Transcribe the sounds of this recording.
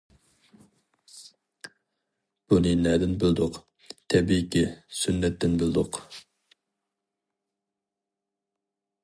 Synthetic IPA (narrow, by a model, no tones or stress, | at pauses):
b̥unɨnɛd̪ɪnbɪld̪ʊq | t̪ʰɛbikʲisynːɛt̪ːɪnbɪld̪ʊq